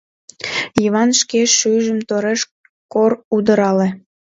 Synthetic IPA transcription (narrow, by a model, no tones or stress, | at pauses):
jiβɑnʃkeʃyjʒəmt̪oɾeʃ | korud̪əɾɑle